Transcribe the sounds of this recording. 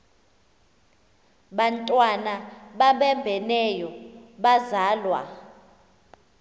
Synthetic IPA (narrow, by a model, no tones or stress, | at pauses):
ɓantʼwanaɓaɓɛmbʱɛnɛjɔɓazaːlwa̰